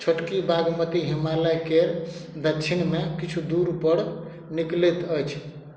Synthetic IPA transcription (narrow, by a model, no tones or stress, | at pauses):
t͡ʃʰoʈkibaɡmət̪iɦimaləjkeɾd̪ʱət͡ʃʰinmekit͡ʃʰud̪uɾpəɾ | niklet̪əjt͡ʃʰ